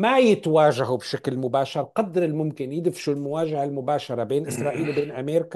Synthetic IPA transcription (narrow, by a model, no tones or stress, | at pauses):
majɪt̪waːʒaɦubʃaklmʊbaːʃɑɾˤqɑd̪ːɾɪlmʊmkɪnjɪd̪ɪfʃulmʊwaːʒahalmʊbaːʃɑɾˤɑbeːnʔɪsɾˤɑːʔiːlwbeːnʔameːɾka